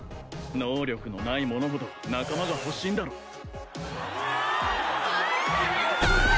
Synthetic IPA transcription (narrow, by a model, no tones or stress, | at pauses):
noːɾʲo̞kɯ̟nonaimo̞no̞ɦo̞d̪o̞nakamaɡaho̞ɕːĩnd̪aɾoː